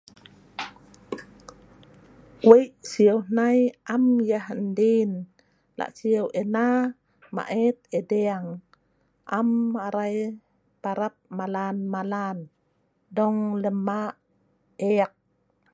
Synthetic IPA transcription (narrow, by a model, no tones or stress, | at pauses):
kwejʔsiəwnajʔamjahndin | la̰ʔsiawʔena | ma̰ʔɛt̪̚edeaŋ | ʔamaɾaj | paɾap̚malanmalan | dɔŋləma | eak̚